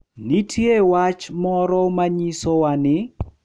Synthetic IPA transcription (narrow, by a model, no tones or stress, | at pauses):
nitʰjewat͡ʃmɔɾɔmaɲisɔwanɪ